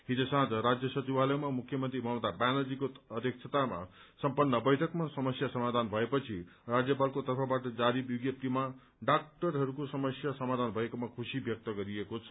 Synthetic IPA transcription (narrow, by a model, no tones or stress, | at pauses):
ɦid͡zosãd͡zʌɾad͡zjʌsʌt͡siwalʌjmamukʰjʌmʌnt̪ɾimʌmt̪abanʌd͡zikoʌd̪ʱjʌk̚t͡sʰʌt̪ama̰ | sʌmpʌnːʌbʌjʈʰʌkmasʌmʌsjasʌmad̪ʱanbʱʌepʌt͡sʰirad͡zjʌpalkot̪ʌrpʰʌbaʈʌd͡zaɾibuɡjʌp̚t̪ima | ɖak̚ʈʌɾɦʌɾukosʌmʌsjasʌmad̪ʱanbʱʌekomakʰusibjʌk̚t̪ʌɡʌɾiekot͡sʰʌ̥